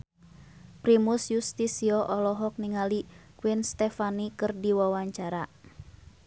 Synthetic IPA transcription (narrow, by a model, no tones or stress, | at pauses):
pɾimusjust̪isiɔʔɔlɔɦɔk̚niŋalikwinst̪ɛfanikɨrdiwawaɲt͡ʃaɾa